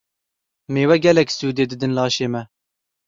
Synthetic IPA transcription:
meːwɛɡʲɛlɛksuːd̪eːd̪ɨd̪ɨnlɑːʃeːmɛ

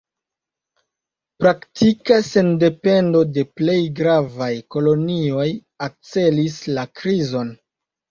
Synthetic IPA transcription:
pɾaktʰikase̞nde̞pe̞ndo̞de̞ple̞jɡɾavajko̞lo̞nio̞j | ak̚t͡se̞lislakɾizo̞n

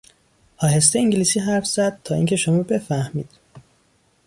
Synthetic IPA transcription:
hɒːɦes̬t̪eiːŋɟiliːsiːɦæɾfz̥æd̪̥̚t̪ʰɒːiːŋʲcʰe̞ʃomɒːbe̞fæhmḭːd̪̥

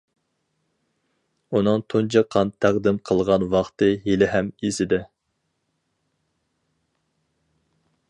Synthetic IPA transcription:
unɨŋt̪ʰont͡ʃʰɑqʰːɑnt̪ʰːæʁd̪ɪmqʰəlˠʁɑnwɑχt̪ɨjelɪɦɛmesɪd̪ɪ

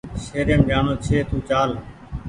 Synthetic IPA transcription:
ʃeːɾeːmɗaːnõːt͡ʃʰeːt̪ũːt͡ʃaːl

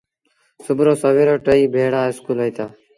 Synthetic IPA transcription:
sʊbʱɾoːsəʋeːɾoːʈəiːbʱeːɽaːɪskuːləiːt̪aː

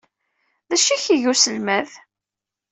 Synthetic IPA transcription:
ðæʃiçiʝusəlmæð

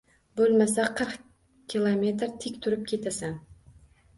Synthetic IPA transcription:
bɵlˠmas̬aqʰɨɾq | kʲʰilˠomʲe̞t̪ɾt̪ʰɪkʲt̪ʰʊɾɪp̚kʲʰe̞t̪ʰasan

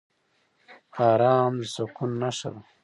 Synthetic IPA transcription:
aːɾaːmsokʰunːɐʂɐ̰ɾ

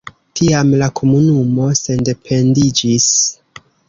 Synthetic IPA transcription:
tʰiamlakʰo̞munumo̞se̞nde̞pʰe̞ndid͡ʒis

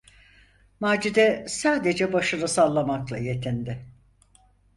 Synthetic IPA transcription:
maːd͡ʒid̪ɛsaːd̪e̞d͡ʒɛbaʃɯnɯsalˠːamaklˠa̰je̞t̪ʰind̪ɪ

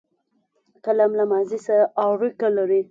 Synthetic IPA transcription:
kalamlamazisaɾaʔɑɾukalaɾi

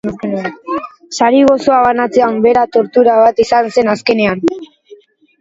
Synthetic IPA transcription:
saɾiɣo̞so̞aβanat͡se̞ambe̞ɾat̪o̞ɾt̪uɾaβat̪isanse̞naske̞ne̞an

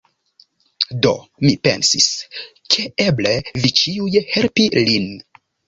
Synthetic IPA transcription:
do̞̰mipe̞̰nsis | kʰe̞eble̞vit͡ʃiujhe̞lpilin

